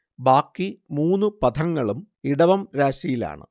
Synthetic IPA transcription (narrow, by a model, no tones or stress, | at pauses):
baːkːimuːnːupɐd̪ʰʱɐŋːɐɭum | iɽɐʋɐmɾaːɕɐjila̰ːɳɨ̰